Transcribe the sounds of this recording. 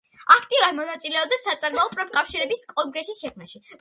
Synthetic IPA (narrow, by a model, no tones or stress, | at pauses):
akʰt̪ʼiuɾad̪mɔnat̪sʼilɛɔb̚d̪asat̪sʼaɾmaɔpʼɾɔmkʼafʃiɾɛbiskʼɔŋɡɾɛsisʃɛkʰmaʃi